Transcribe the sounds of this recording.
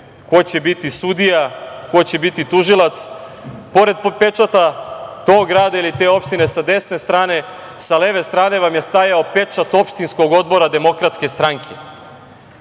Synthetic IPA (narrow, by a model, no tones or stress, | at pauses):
ko̞jt͡ɕebit̪isud̪ijako̞jt͡ɕe̞bit̪it̪uʒilˠat̪s | po̞ɾe̞d̪̚pe̞t͡ʃat̪at̪o̞ɡɡɾaːd̪ailit̪e̞o̞pʃt̪ine̞sad̪e̞sne̞st̪ɾaːne̞ | sale̞ʋe̞st̪ɾaːne̞ʋamje̞st̪ajaope̞t͡ʃat̪o̞pʃt̪insko̞ɡo̞d̪̚bo̞ɾad̪e̞mo̞kɾat̪ske̞st̪ɾaŋkʰe̞